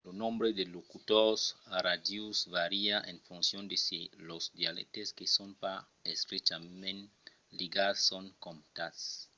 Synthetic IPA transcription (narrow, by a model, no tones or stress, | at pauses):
lonõmbɾed̪elokut̪oɾsaɾadusvaɾiaʔẽɱfunsjond̪esilozd̪jalḛt̪eskesonpa | est̪ɾet͡ʃamẽn | liɡassoŋkomt̪as